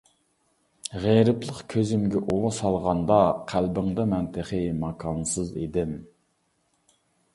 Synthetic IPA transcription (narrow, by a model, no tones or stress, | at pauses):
ʁeɾɨplˠəqkʲʰøzɪmɡʲɛʔolˠɑsɑlˠʁɑnd̪ɑqʰælbɪŋd̪ɑmɛnt̪ʰəχəmɑkʰɑnsɨzḛd̪ɪm